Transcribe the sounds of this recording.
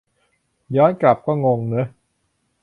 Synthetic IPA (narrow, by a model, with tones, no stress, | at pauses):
jɔː˦˥nkla˨˩p̚kɔː˥˩ŋo˧ŋnɯ˦˥